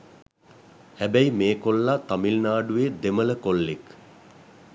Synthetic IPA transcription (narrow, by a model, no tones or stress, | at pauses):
hæbæjimeːkolːat̪amilnaːɖued̪emələkolːek